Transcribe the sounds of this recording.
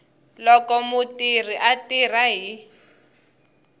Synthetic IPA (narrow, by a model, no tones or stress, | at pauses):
lɔkɔmʊtir̤iʔatir̤aɦi